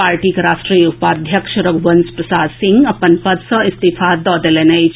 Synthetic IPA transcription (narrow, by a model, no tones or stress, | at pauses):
aːɾʈiːkɐɾaːsʈɾijupaːd̪ʱjɐkʃɐɾɐɡʋɐnspɾɐsaːd̪sɪ̃ŋɡɐpɐnpɐd̪sɐ̃ɪst̪ifaːd̪ɔːd̪elenɐj